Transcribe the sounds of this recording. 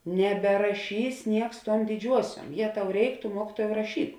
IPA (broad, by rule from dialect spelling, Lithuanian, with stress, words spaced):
nʲɛbʲɛrɐˈʃʲiːs ˈnʲiɛks ˈtuɔm dʲɪˈd͡ʒʲuɔsʲuɔm ˈjeː ˈtɐʊ ˈrʲɛɪk tʊ ˈmuɔkʲɪtuɔjɛʊ rɐˈʃʲiːk